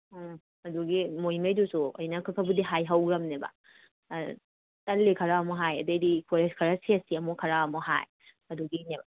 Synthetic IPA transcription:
ɐduɡimojmɐjdusuɐ̰jnɐkʰɯkʰɐbudiɦajɦɐwɾɐmnebɐ̰ | tɐlːekʰɐɾaɐmɔɦajɐdɯjdikʰoɾeskʰɐɾaseɐsiɐmukʰɐɾaɐmɔɦa̰j | ɐduɡineba

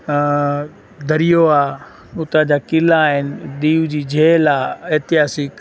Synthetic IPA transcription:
d̪ʱɐɾijoaː | ʊt̪ad͡ʑaːkɪlaːɦɪnɪ̆ɗ̪iːʋd͡ʑiːd͡ʑʱeːlaːeɦt̪ɪɦaːsɪk

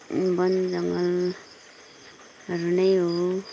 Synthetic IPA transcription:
bʌnd͡zʌŋɡʌl | ʌɾunʌjɦo

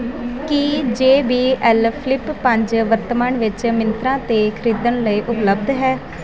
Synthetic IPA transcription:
kid͡ʒeːbiːʔɛlpʰlɪpːə̃ɲd͡ʒʋəɾt̪əməɳʋɪt͡ʃmɪnt̪ɾãːt̪eːkʰɪɾiːd̪əɳləiːʔʊpləb̚d̪ɦɛː

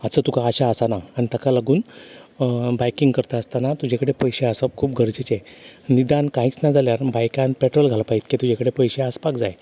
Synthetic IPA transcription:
ət͡sət̪ukaːɕaːsanaːñit̪əkalaɡuːn | bajkiŋɡkəɾt̪aəst̪anat̪ud͡ʑʱekəɽepəjɕeasab̚kʰuːp̚ɡʱəɾd͡ʑit͡ɕenid̪ankãɦiːt͡snad͡zaljaɾbajkãnpɛʈɾɔolɡʱalapaɦiːt̪ket̪ud͡ʑekəɽepəjɕeaspakd͡zaj

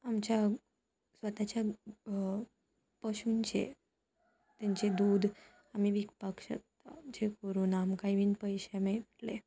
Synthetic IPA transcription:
amt͡ɕja | sʋət̪at͡ɕja | pəɕunt͡ɕḛ | t̪jaɲt͡ɕed̪uːd̪ | am̤iʋikpakɕə̰k̚t̪ad͡ʑekəɾuːnamkaiʋiːnpəjɕɛmeʈle

